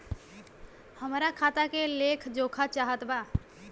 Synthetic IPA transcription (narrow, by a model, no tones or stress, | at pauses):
həmɾakʰaːt̪akeleːkʰd͡ʒoːkʰat͡ʃaːɦət̪baː